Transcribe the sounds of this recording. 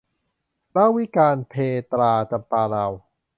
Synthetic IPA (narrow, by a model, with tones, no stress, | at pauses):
la˥˩wi˦˥kaː˧npʰeː˧t̪ɾaː˧t͡ɕa˧mpaː˧ɾa˧w